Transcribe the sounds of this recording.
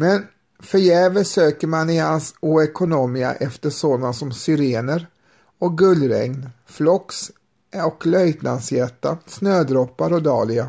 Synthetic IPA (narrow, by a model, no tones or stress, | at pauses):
mɛn | fœɾjɛːvəsøːkəɾmanɪhansuːɛkʊnomiːa̰ʔɛft̪əʂoːd̪ansɔmsʏɾeːnəɾ | ɔk̚ɡɵlːɾɛ̰ŋnflɔks | ɔklœjt̪nad̪sjɛt̪ːasnøːd̪ɾɔpːaɾɔd̪ɑ̰ːlɪɡa